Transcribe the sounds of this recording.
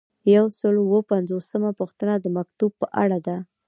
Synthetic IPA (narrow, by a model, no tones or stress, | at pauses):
jawsəluwəpanzosəmapuxt̪ənad̪əmak̚t̪ub̚pəʔa̰ɽad̪a